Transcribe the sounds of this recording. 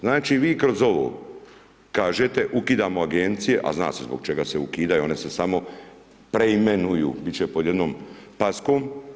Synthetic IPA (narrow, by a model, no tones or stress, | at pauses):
znaːt͡ʃiʋiːkɾo̞zo̞ʋo̰ː | kaːʒet̪eʔukiːd̪aːmo̞aɡent̪sije̞ʔa̰zna̰ːse̞̰zboɡ̚t͡ʃe̞ɡase̞ukiːd̪ajuo̞ne̞se̞samo̞ | pɾeimenujṵːbitt͡ʃepo̞d̪jed̪noːmpaskoːm